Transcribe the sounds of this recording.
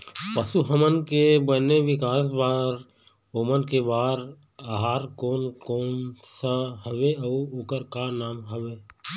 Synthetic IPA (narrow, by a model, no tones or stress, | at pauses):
pəsuɦəmənkebəneʋɪkaːs̬baːɾ | omənkebaːɾ | aɦaːɾkoːnkoːnsaɦəʋeɐuʊkəɾkanaːmɦəʋeː